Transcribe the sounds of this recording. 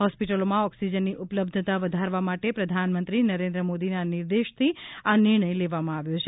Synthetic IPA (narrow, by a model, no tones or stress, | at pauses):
ɦɔspiʈəlomãɔksid͡ʒənːiʔupləbd̪ʱət̪aʋəd̪ʱaɾʋamaʈepɾəd̪ʱanmənt̪ɾinəɾend̪ɾəmod̪inaniɾd̪eʃt̪ʰianɪɾɳ̃əjleʋamãaʋjot͡ʃʰe